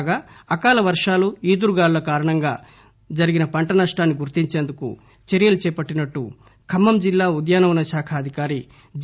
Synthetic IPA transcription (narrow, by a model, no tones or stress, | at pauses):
ɡaːɐkaːlɐʋɐɾʂaːluiːd̪uɾuɡaːɾulɐkaːɾɐɳɐŋɡaː | d͡ʒɐɾiɡinɐpɐɳʈɐnɐʂʈaːnːiɡuɾt̪iɲt͡ʃeːnd̪ukṵ | t͡ʃeɾijɐlut͡ʃɛːpɐʈːinɐʈːṵ | kʰɐmːɐmd͡ʒilːaːud̪jaːnɐʋunɐʃaːkʰɐːd̪ʱikaːɾi | d͡ʒ